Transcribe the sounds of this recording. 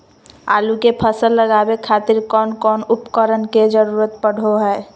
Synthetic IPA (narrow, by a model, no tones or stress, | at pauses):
a̰lukepʰəsəlːəɡabekʰat̪iɾkɔnkɔnupkəɾənked͡ʒəɾuɾət̪̚pəɽ̤ʱoɦə